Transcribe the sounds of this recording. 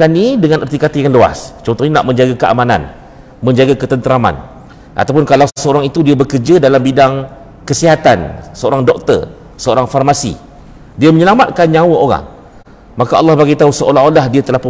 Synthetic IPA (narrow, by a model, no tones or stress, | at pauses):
anːidəŋãnʔart̪ikat̪ijaŋlua̰st͡ʃɔnt̪ɔhɲana̰ʔmə̃ɲd͡ʒaɡakəa̰mana̰n | mə̃ɲd͡ʒaɡakət̪ənt̪əɾama̰n | ʔa̰t̪awp̬ʊnkalasəoɾaŋit̪udiabəkərd͡ʒadalambidaŋ | kəsiɦat̪ansəoɾaŋdɔk̚t̪ə̰r | səoɾaŋfarmasḭ | diaməɲəlamat̪̚kanɲãwaʔoɾa̰ŋ | makaʔɑ̰lːɑhbaɡit̪ausəolaɦolahdiat̪əlahp